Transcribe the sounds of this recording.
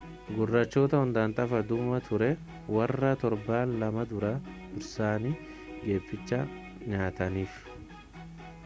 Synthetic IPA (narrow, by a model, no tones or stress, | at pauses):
ɡʊrːɐt͡ʃːo̞ːt̪ɐhʊnd̪aːnt̪ʼɐfɐd̪ʊmɐt̪ʰʊɾɛ | wɐrːɐt̪ɔɾbaːnlɐmɐd̪ʊɾɐd̪ʊɾsaːni | ɡe̞ːfːɪt͡ʃːɐ | ɲaːt̪ɐniːf